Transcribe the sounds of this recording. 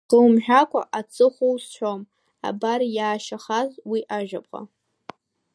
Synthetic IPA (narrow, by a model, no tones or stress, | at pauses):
qɨwmħᶣakʷʰʼaʔat͡sʰʼɨχʷowst͡ɕʷᶣom | a̰baɾjaːʃaχazwiʔaʒᶣapʼqʼa̰